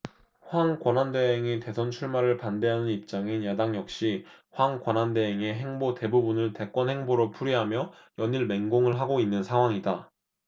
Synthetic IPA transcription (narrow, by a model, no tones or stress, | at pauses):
ɸwaŋkwʌnɦande̞ɦeŋete̞sʰʌnt͡ɕʰuɭmaɾɯɭpande̞ɦanɯnip̚t͡ɕ͈aŋinjadaŋjʌk̚ɕ͈iɸwaŋkwʌnɦande̞ɦeŋe̞ɦe̞ŋbote̞bubunɯɭte̞k͈wʌnhe̞ŋboɾopʰuɾiɦamjʌ | jʌniɭme̞ŋɡoŋɯɭɦaɡoinːɯnsʰaŋɦwaŋida